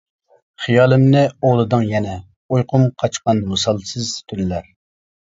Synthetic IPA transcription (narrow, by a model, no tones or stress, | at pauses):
χijɑːlˠɨmnɪoʁlˠɨd̪ɨŋjɛnɛ | ojqʰʊmqʰɑt͡ʃqɑnmɑsɑlˠsɨzt̪ʰyllæɾ